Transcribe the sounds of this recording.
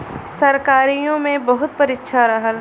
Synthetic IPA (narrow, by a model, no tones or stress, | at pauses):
sɐɾkaːɾijõmẽbɐɦʊt̪̚pɐɾɪtːʃʰaɾɐɦəl